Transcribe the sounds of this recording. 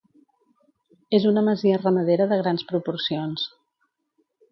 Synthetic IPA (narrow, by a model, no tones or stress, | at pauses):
ezunəməziərəməð̞eɾəðəɣ̞ɾanspɾupuɾsions